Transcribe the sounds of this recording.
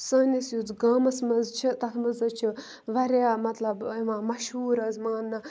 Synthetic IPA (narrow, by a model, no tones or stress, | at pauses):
sɐnʲisjud͡zɡaːmɐsmɐzt͡ʃʰit̪ɐkʰmɨzɐt͡ʃʰi | ʋɐɾjaːmɐt̪lɐbiʋãːmɐʃɦuːɾɐzmaːnːɐ